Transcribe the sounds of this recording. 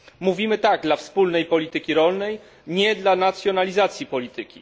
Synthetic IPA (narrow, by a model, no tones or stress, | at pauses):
muvʲimɘt̪aɡd̪lafspulnɛjpɔlʲit̪ɘkʲiɾɔlnɛj | ɲɛd̪lanat̪sʲjɔnalʲizat̪sʲjipɔlʲit̪ɘkʲḭ